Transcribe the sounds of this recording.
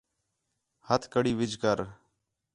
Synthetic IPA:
hət̪ʰkəɽiːʋɪd͡ʒʱkəɾ

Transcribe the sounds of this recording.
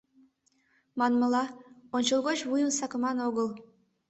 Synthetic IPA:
mɑnməlɑonʲt͡ɕəlˠɣot͡ɕβujənsɑkəmɑnoɣəl

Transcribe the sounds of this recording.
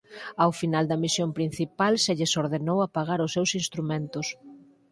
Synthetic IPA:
awfinald̪ɐmisjompɾin̟θipalseʎɪsoɾðenowapaɣ̞aɾʊsːewsinst̪ɾumẽnt̪ʊs

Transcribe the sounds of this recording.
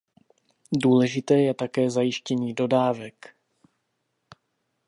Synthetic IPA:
duːlɛʒɪt̪ɛːjɛt̪akɛːzajɪʃcɛɲiːdo̞daːvɛk

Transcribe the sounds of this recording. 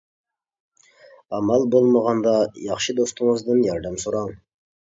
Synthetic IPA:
ɑmɑlˠbolˠmɑʁɑnd̪ɑjɑχʃəd̪ost̪əɴəzd̪ənjɑɾd̪æmsuɾɑɴ

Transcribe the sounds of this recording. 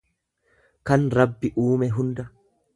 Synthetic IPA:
kɐnɾɐbːɪʔuːmɛɦʊnd̪ɐ

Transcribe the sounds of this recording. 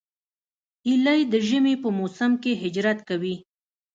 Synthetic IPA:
ilajd̪əʒəmepəmosamkeɦɪd͡ʒɾat̪kawi

